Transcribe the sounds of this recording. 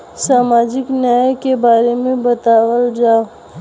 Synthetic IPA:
saːmaːd͡ʒɪknəkebaːɾemẽbɐt̪aːwəld͡ʒaːo

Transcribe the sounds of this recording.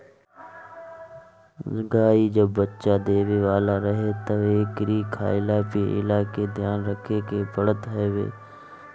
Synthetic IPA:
zɡaːid͡ʒɐbːətːʃad̪eːʋeʋaːlaɾɐɦet̪ɐʋeːkɾiːkʰa̰ːɪlapiʔɪ̰laːked̪ʱjaːnɾəkʰekeːpəɽət̪eʋḛː

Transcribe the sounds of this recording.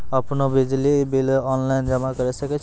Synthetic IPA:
əpnobid͡ʒlibilɔnland͡ʒəmakəɾɛsəkɛt͡ʃʰ

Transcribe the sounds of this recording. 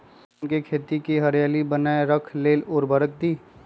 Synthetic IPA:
nkekʰeːt̪ikiɦəɾjaːlibənaːeɾəkʰleːlɔːɾbəɾək̚d̪iː

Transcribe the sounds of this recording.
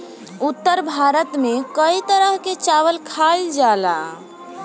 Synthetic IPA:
ut̪ːəɾbʱaɾət̪mekəit̪əɾəɦket͡ʃaʋəlkʰald͡ʒala̰

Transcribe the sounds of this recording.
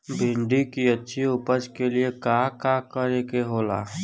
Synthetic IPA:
bʱɪ̃ɳɖikiɐtːʃʰiʊpət͡ʃkeliekaːkaːkəɾekeɦoːla̰ː

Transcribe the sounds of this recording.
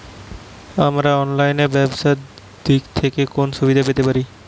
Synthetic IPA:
amɾaɔnlajneɾbɛbsat̪ | d̪ikt̪ʰekekonʃubid̪ʱapet̪epaɾi

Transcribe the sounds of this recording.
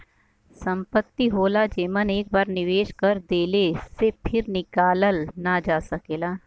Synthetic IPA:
sə̃mpət̪ːiɦoːlad͡ʒeːməneːk̚baːɾnɪʋeːʃkəɾd̪eːlesepʰɪɾnɪkaːləlnad͡ʒaːsɐkeːlaː

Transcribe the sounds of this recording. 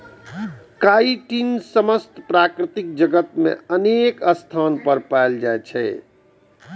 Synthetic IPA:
kaiʈinsəməst̪pɾakɾit̪ik̚d͡ʒəɡət̪mḛənekəst̪ʰanpəɾpajld͡ʒajt͡ʃʰɛ

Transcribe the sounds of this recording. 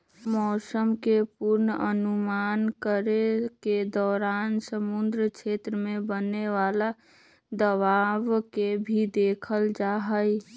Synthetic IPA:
mɔːsəmkepuɾnəənumaːnkəɾeked̪ɔːɾaːnsəmʊnd̪ɾəkt͡ʃʰeːt̪ɾəmẽbəneʋaːla | d̪əʋaːʋkebʱid̪eːkʰəld͡ʒaːɦəj

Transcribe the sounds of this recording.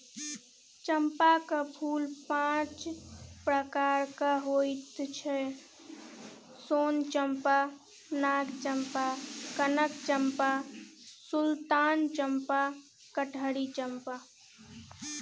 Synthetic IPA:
t͡ʃəmpakəpʰulpãt͡ʃpɾəkaɾkaɦojt̪t͡ʃʰɛ | sont͡ʃəmpa | naɡt͡ʃəmpakənəkt͡ʃəmpa | sult̪ant͡ʃəmpa | kəʈʰəɽit͡ʃəmpa

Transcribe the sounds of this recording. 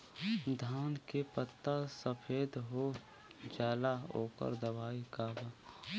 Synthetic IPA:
d̪ʱaːnkepət̪ːasəpʰeːd̪ɦo | d͡ʒaːlaoːkə̰ɾd̪ɐbaːikaːbaː

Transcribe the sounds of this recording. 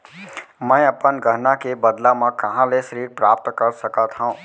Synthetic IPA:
mɛ̃ːɐpənɡʱəɦnakebəd̪lamãkɐɦãleʃəɾiːɾpɾaːp̚t̪kəɾsəkat̪ʰɦãũː

